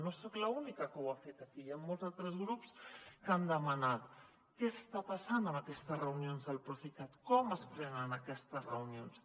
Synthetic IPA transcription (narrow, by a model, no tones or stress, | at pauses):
nosoklaunikakəwafet̪akijammolˠzalt̪ɾəzɣɾupskand̪əmanat̪ | kesst̪apasanəmakɛst̪əzreunjonzəlpɾufikat̪kɔməspɾɛnanakɛst̪əsreunjons